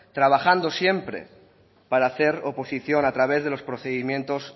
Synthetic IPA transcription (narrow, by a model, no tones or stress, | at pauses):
t̪ɾaβ̞axand̪o̞sje̞mpɾe̞̰ | paɾaːθeɾopo̞siθjo̞nat̪ɾaβ̞e̞zðelo̞spɾoθeðimje̞nt̪o̞s